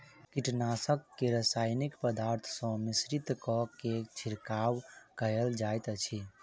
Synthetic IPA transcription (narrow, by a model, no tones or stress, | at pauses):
kiʈnasəkːeɾəsajnikpəd̪aɾt̪ʰsɔ̃misɾit̪kɔket͡ʃʰiɾkawkəjəld͡ʒajt̪ət͡ʃʰi